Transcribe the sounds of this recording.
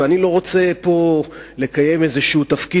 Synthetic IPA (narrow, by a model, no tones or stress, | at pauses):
anilo̞ʁo̞t͡se̞po̞le̞kaje̞mezeʃuut̪afki